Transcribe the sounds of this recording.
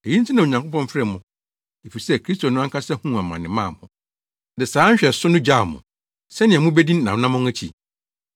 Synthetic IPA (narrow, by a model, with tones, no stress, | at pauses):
e˨ji˦n˦tʰi˦nã˨o˨ɲã˨kʰʷo˦pʰɔ̃˦ɱ˦fɛ˦˨mʊ̃˨ | e˨fi˨sɛ˦˨kʰɾi˦sto˨nʊ̃˦a˦ŋkʰa˦sɛ˦hũ˦a˨mã˨nɪ̃˨mãː˦˨hʊ̃˨ | dɪ˨saː˨˦ɲ̩˦ɕᶣɛ˨sʊ˦nʊ̃˦d͡ʑa˦˨mʊ̰̃˨ | sɛ˦nɪ̃˨ɛ̃˨mʊ̃˦bɛ˦dĩ˦n˦nã˨˦nã˦mʊ̃˦æ˦t͡ɕʰḭ˨